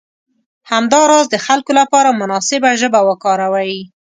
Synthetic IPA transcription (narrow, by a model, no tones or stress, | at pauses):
hamd̪ɑɾɑzd̪əxalkolapɑɾamʊnɑsɪbaʒəbawəkɑɾawawi